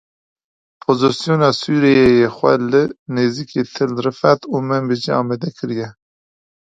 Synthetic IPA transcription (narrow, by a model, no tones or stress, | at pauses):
pʰozɨsijonɑːsuːɾejejexʷɛ̰lɨneːzikʰet̪ʰɨlɾɨfɛt̪uːmɛnbed͡ʒiɑːmɛd̪ɛkʰɨɾijɛ